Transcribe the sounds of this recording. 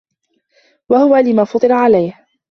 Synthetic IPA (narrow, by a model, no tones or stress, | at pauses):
wahʊwaːlɪmaːfɑt̪ˤɨɾaʕalajh